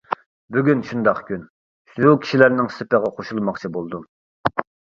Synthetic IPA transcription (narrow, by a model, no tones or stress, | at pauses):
byɡʲynʃund̪ɑqkʲʰyn | ʃukʲʰi̥ʃilæɾnɪŋsɪpəʁɑqʰoʃulˠmɑqt͡ʃʰibolˠd̪um